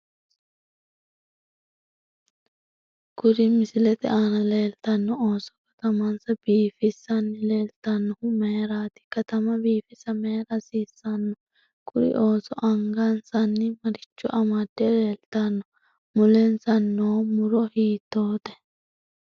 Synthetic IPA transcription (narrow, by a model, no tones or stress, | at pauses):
ɡ̥ʊɾɪmɪsɪlɛt̪ɛʔaːnɐle̞ːlt̪ɐnːɔoːsɔ̥kɐ̥t̪ɐmɐnsɐbiːfɪsːɐnːɪle̞ːlt̪ɐnːɔhʊme̞ːɾaːt̪ɪ̥kɐt̪ɐmɐbiːfɪsɐme̞ːɾɐsiːsːɐnːɔ | kʊɾɪ̰ʔo̞ːsɔʔɐŋɡɐnsɐnːɪmɐɾɪt͡ʃːʊ̰ʔɐmad̪̥ːɛle̞ːlt̪ɐnːɔ | mʊlɛnsɐnːoːmʊɾɔhiːt̪ːo̞ːt̪ɛ̥